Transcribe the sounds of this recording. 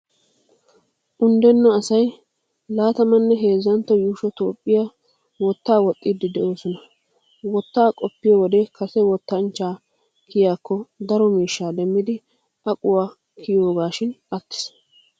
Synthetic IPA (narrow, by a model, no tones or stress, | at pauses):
ʔʊnd̪ɛnːɔɐsɐj | laːt̪ɐmɐnːɛɦe̞ːzːɐnt̪ːɔjuːʃɔt̪o̞ːpʼːɪja | wɔt̪ːaːwɔt̪ʼːid̪ːɪd̪ɛʔo̞ːsɔnɐ | wɔt̪ːaːkʼɔpːɪjɔwɔd̪ɛkɐsɛwɔt̪ːɐnt͡ʃːaː | kʰɪjaːkːɔd̪ɐɾɔmiːʃːaːd̪ɛmːɪd̪ɪ | ɐkʼʊwaː | kʰɪjoːɡaːʃɪnɐt̪ːɪ̥s